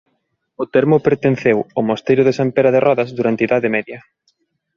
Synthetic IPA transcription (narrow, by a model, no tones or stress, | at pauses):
ʊt̪ɛɾmʊpeɾt̪en̟θewomost̪ejɾʊðesampeɾɐðerɔðɐzðuɾant̪eiðaðemɛðjɐ